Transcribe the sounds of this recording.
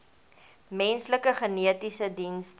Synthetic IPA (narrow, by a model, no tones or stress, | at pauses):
mɛnsləkəχəniətisədinst